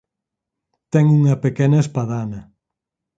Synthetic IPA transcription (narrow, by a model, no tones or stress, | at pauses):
t̪ɛŋuŋɐpekɛnɐespaðanɐ